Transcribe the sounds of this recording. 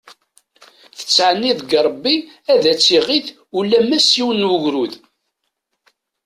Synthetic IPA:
θə̥t͡sːʕənːiðɡˤəbːi | æðæt͡sːiʁiθ | ulːæmæsiwənːwəʝɾuð

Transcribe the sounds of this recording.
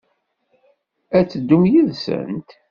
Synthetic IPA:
æt͡sːəd̪ːumjiðsə̰nt̪

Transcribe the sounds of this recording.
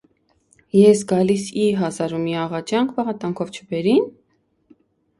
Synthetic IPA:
jɛsɡɑlisiɦɑzɑɾumiɑʁɑt͡ʃjɑŋkʰbɑʁɑt̪ɑŋkʰɔvt͡ʃʰəbɛɾin

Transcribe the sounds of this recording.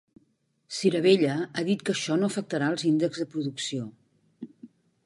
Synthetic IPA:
siɾəβ̞eʎəaðit̪kəʃɔnoəfək̚t̪əɾaəlˠzind̪əɡzðəpɾuðuksio

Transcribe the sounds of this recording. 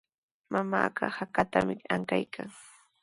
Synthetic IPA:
mamaːɢɑhakat̪amɪaŋkajkʰaŋ

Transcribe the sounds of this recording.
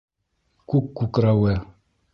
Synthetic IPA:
kukːukɾawɛ

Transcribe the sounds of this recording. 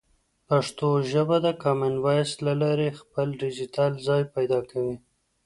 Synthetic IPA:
paʂt̪oʒəbad̪əkɑmanwɑjslalɑɾexpəlɖɪd͡ʒit̪ɑlzɑjpajd̪ɑkawi

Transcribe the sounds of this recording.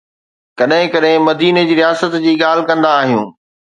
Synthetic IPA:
kɐɗɦɪ̃kɐɗɦɪ̃mɐd̪iːned͡ʑiːɾijaːsət̪d͡ʑiːɠaːl̤ɪkɐ̃nd̪aːɦijũː

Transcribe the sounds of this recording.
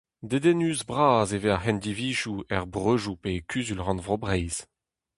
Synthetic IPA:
d̪ed̪ɛnyːzbʁaːzeveahɛnd̪iviːʒuɛʁbʁøʒupekʰyzylʁɑ̃nvʁobʁɛjz̥

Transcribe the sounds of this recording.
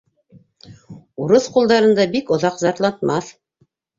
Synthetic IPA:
uɾoθqulˠd̪ɑɾɤ̆nd̪ɑbikŏðɑqzɑɾt̪lˠɑt̪mɑθ

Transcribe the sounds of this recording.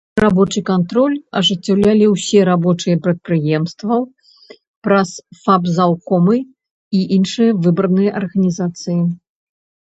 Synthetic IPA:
rabɔt͡ʂɨkant̪ɾɔlʲɐʐɨt͡sʲːawlʲalʲiwsʲɛɾabɔt͡ʂɨjɐpɾɐt̪̚pɾɨjɛmst̪vɐ | pɾɐsfapzawkɔmɨ | iʔinʂɨjɐvɨbɾnɨjɐʔɐrɣɐnʲizat̪sɨji

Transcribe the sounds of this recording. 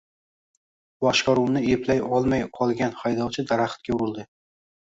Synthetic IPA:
bɒʃqɒɾuwnɪepʰlajɒlˠmajʰɒlˠɡʲanχajd̪ɒwt͡ʃʰɪd̪aɾaχt̪̚kʲaʊɾʊlˠd̪ɪ

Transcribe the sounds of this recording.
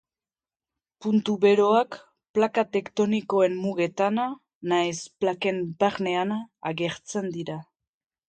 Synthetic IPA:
punt̪uβe̞ɾo̞ak | plakat̪e̞kt̪o̞niko̞e̞mmuɣe̞t̪ana | najsplake̞mbaɾne̞anaaɣe̞ɾt͡se̞nd̪iɾa

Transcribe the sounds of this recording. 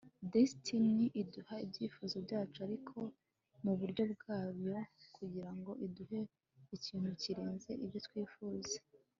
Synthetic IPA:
destʰiniʔiduhaibɟiːfuːzo̞bjaːt͡ʃuaɾikʰo̞ | muβuɾɟo̞b̚ɡaːβjo̞kʰuɟiɾaŋɡo̞ʔiduhe̞ | iciːn̥huciɾeːnze̞ʔibjo̞t̪wiːfuːze̥

